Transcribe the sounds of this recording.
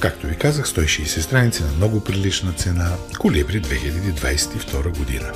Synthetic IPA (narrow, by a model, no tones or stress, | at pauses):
kak̚t̪ovikazəxst̪ɔiʃɛːsɛst̪ɾanit̪sinɐmnɔɡopɾilit͡ʃnət̪sɛnakoliɛbɾid̪vɛxilʲɐd̪id̪va̰jsɛ̥t̪ift̪ɔɾəɡod̪ḭnə